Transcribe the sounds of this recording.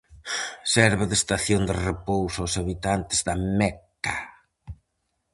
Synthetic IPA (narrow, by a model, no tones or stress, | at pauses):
sɛɾβɪðest̪aθjond̪ɪrepowsʊawsaβit̪ant̪ɪzðɐmɛka